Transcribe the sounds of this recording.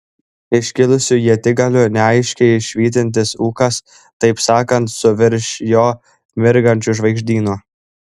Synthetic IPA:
ɪʃʲkʲɪlˠʊsʲʊjiɛt̪ʲɪɡɐlʲʊnʲɛɐɪʃʲkʲɛɪʃʲʋʲiːt̪ʲɪnʲt̪̬ʲɪsuːkɐs | t̪ɐɪpsɑːkɐnt̪sʊʋʲɪɾʲʃjoː | mʲɪɾɡɐnʲt͡ʃʲʊʒʋɐɪɡʒʲd̪ʲiːnu

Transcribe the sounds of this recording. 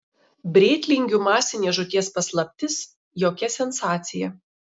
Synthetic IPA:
bʲɾʲeːt̪ʲlʲɪŋʲɡʲumɑːsʲɪnʲeːʒʊt̪ʲiɛspɐslˠɐpʲt̪ʲɪs | joːkʲɛsʲɛnsɑːt̪sʲɪjɛ

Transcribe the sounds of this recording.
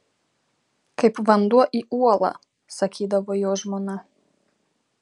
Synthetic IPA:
kapvand̪uaʔiualˠa̰ | sakʰid̪aʋojoʒmona

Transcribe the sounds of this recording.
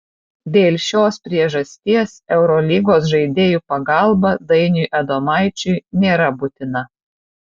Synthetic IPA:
d̪ʲeːlʲʃʲoːspʲɾʲiɛʒɐsʲt̪ʲiɛsɛʊɾɔlʲiːɡoːsʒɐɪd̪ʲeːjupɐɡɑˑlˠbɐd̪ɐɪnʲuːʔɛd̪oːmɑˑɪt͡ʃʲʊɪnʲeːɾɐbʊt̪ʲɪnɐ

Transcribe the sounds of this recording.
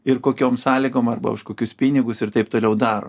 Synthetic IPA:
ɪrkoːkʲoːmsɑːlʲɪɡoːmɐrbɐ̰ʊʃkoːkʲʊspʲiːnʲɪɡʊsɪɾt̪ɐɪpt̪oːlʲɛʊd̪ɑːɾo̰ː

